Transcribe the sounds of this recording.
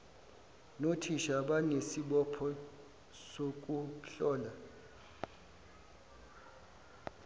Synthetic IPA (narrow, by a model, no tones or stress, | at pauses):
notʰiʃaɓanesiɓɔpʰɔ | sok̬ʼuɬɔːla